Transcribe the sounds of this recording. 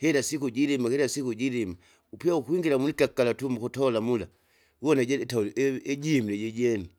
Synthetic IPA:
kɛlasikuɟilimakɛɾasikuɟilima | upiaukuiŋɡilamunikakalatumukɔtɔlamula | ɔnaɟɛɛtaulɛʔɛɟimilɛɟɛɟɛnu

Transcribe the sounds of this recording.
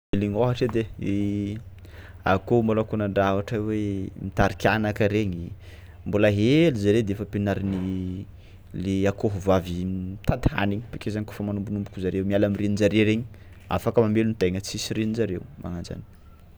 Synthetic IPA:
eliɲoɦaʈ͡ʂed̪ee | a̰kombolakunaɳɖ͡ʐavaʈ͡ʂawemit̪aɾikʲanakəɾeɲi | mbolaɦelizaɾed̪eefəpinaɾini | leakoɦuvavit̪ad̪a̰niɲpikezaɲko̥fəmanumbunumpu̥kuzaɾewmialamirinind͡ʒaɾeɾeɲi | a̰fakəmamelunit̪eŋət͡sisiɾenizaɾewma̰ŋand͡ʒa̰ni̥

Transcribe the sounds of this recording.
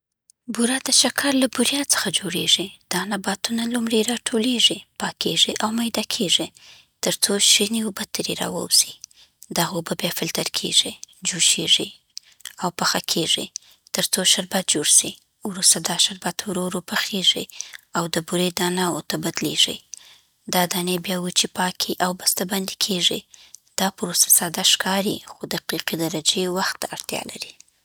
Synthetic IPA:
buɾad̪əʃakʰɑɾlabʊɾjɑt͡sə̥xad͡ʒoɽeʐid̪̥ɑnabɑt̪unalumɽeɾɑʈʰoleʐipɑkʰeʒiʔawmajd̪ɑkʰeʐi | t̪əɾt͡soʃiniobat̪əɾeɾɑ̰wə̰wz̥i | d̪aɣobəbjɑfɪlt̪aɾkʰḛʒid͡ʒuʃeʐi | awpaxakʰeʐi | t̪əɾt͡soʃaɾbat̪̚d͡ʒoɽsi | wɾust̪ad̪ɑʃaɾbat̪wɾoɾopaxeʐḭawd̪əbuɾed̪ɑnɑwot̪abad̪leʐḭ | d̪ɑd̪ɑnebjɑwit͡ʃepɑkʰiʔawbast̪aband̪i̥kʰeʐid̪̥ɑpɾosḁsɑd̪aʃkɑɾḭxod̪əqiqid̪aɾad͡ʒewaxt̪ːaaɽt̪jɑ̰la̰ɾi

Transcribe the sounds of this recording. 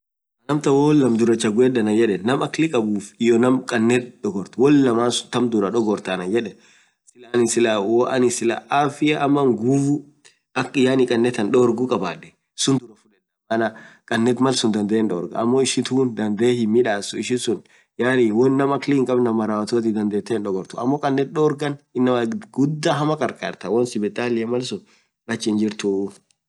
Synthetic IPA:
ɐnɐmt̪ɐwɔlːɐmd̪ʊɾɐt͡ʃːɐɡʊeːd̪ɐnɐd͡ʒɛᶑɛnɐmɐklɪkʼɐbuːfɪjɔnɐmkʼɐnːɛt̪̚ᶑɔɡɔɾt̪wɔlːɐmaːnsʊt̪ɐmd̪ʊɾɐᶑɔɡɔɾt̪ɐnɐjɛᶑɛ | sɪlanɪsɪlawɔʔɐnɪsɪla̰ʔafɪjɐʔɐmːɐŋɡuːbʊ | ɐkɪjaːnɪkʼɐnːɛt̪ɐnᶑɔɾɡʊkʼɐbaːd̪ːɛ̥ | sʊnd̪ʊɾɐfʊlɛᶑɐɐnɐkʼɐnːɛt̪mɐlsʊnd̪ɐnd̪eeːnᶑɔːɾɡɐ̰ɐmːoːɪʃɪt̪uːnd̪ɐnd̪eːhɪmːɪᶑaːsʊɪʃɪsʊn | jaːɾiwɔnːɐmɐkliːŋkʼɐbnɐmɐɾaːwɐt̪oːt̪̬ɪd̪ɐnd̪eːt̪ːeːnᶑɔɡɔɾt̪ʊɐ̰mːoːkʼɐnːɛt̪̚ɗoːɾɡɐnɪnːɐmɐɡʊd̪ːaɦɐmɐkʼɐɾkʼaːɾt̪ɐwɔnsɪbɛt̪ʼaːlɪjɐmɐlsʊ | lɐt͡ʃːɪnd͡ʒɪɾt̪ʊ

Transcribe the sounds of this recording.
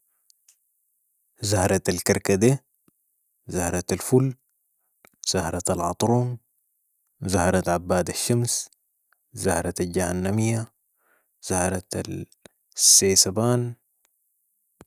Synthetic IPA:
zahɾˤɑt̪alkaɾkad̪e | zahɾˤɑt̪alful | z̥ahɾˤɑt̪alʕɑt̪ˤɾuːm | zahɾˤɑt̪ʕabːaːd̪aʃːams | zahɾˤɑt̪alɟahanːamijːa | z̥ahɾˤɑt̪al | sːeːsabaːn

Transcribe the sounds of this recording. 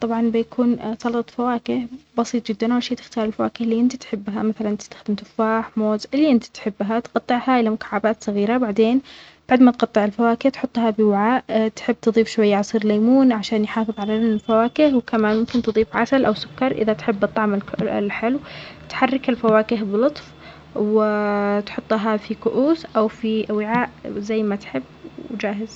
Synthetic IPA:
t̪ˤɑbʕɑnbɪjakʰuːnsˤɑlɑt̪ˤfawaːkɪhbɑsiːt̪ˤd͡ʒɪd̪ːanʔwlʃeːt̪ɪ̥xt̪ɑːɾˤɪlfawaːkɪhliːʔɪnt̪it̪ħɪbːɦamaθalanʔt̪ɪst̪ḁxd̪ɪmt̪ʊfːaːħmoːzʔɪlːiːʔɪnt̪i̥t̪ħɪbːɦat̪qɑt̪ˤːɪʕhaʔɪlːamʊkḁʕːabaːt̪sˤɑɣiːɾabaʕd̪eːn | b̥aʕd̪mat̪qɑt̪ˤːɨʕɪlfawaːkɪht̪ħʊt̪ˤːhabɪwaʕaːʔt̪ħɪbːt̪ɨðˤiːfʃwajːaʕɑsˤiːɾlaːmuːnʕaʃaːnjħɑːfɨðˤʕalafawaːkɪhwkamaːnmʊmkɪnt̪ɨðˤiːfʕasalʔawsʊkːɑɾˤʔɪ̰ðat̪ħɪbːʔɑt̪ˤːɑʕmɪl̰lħɪlwt̪ħarːɪkɪlfawaːkɪɦbɪlʊt̪ˤf | wɪt̪ħʊt̪ˤːɦafikʊʔuːsʔawfiʔawɪʕaːʔzajːmat̪ħɪbːd͡ʒaːɦɪz

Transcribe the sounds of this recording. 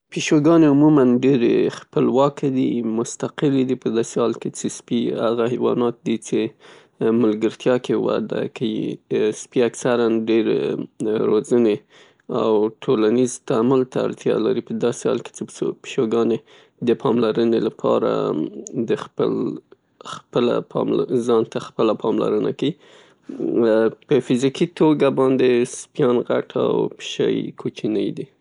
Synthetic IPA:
piʃoɡɑneʊmumanɖeɾḛxpəlwɑkʰed̪imʊst̪aqɪled̪ipəd̪ɑsehɑlket͡sespiaɣahewɑ̰nɑt̪̚d̪it͡se | məlɡəɾt̪jɑkewa̰d̪a̰kawḭspiaksaɾanɖeɾ | ɾozəne | a̰wʈʰolanizt̪amalt̪a̰ːɾt̪jɑ̰laɾipəd̪ɑsehɑ̰lke̥t͡səppʃoɡɑne | d̪əpʰɑmlaɾənelapʰɑ̰ɾa̰d̪əxpə̰l | xpəla̰pʰɑ̰mzɑnt̪axpəlapʰɑmla̰ɾəna̰kawi | pəfɪzikit̪oɡabɑnd̪espjɑnɣaʈʰa̰wpʃa̰jkʰot͡ʃinəjd̪i

